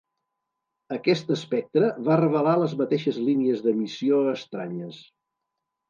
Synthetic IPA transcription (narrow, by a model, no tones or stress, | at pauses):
əkɛst̪əspɛk̚t̪ɾəβarəβəlaləzmət̪eʃəzliniəzðəmisioəst̪ɾaɲəs